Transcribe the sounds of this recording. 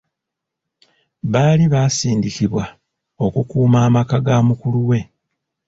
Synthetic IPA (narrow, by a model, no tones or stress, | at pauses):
βaːliβaːsiːndikiβwa | o̞kukuːmaːmakaɡamukuluwe̞